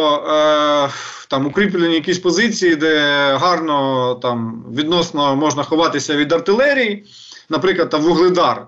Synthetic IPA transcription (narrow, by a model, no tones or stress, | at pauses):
t̪ɑmʊkɾʲip̬lʲenʲijɐkʲisʲpɔzɪt͡sʲijid̪ɛɦɑrnɔt̪ɑmʋʲid̪nɔsnɔmɔʒnɐxɔʋɑt̪ɪsʲɐʋʲid̪ɐrt̪ɪlˠɛɾʲiji | nɐpɾɪklˠɐd̪t̪ɑmʋʊɦlˠɪd̪ɑr